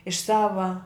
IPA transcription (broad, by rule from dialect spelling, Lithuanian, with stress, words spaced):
ɪʃ ˈsɑːʋɐ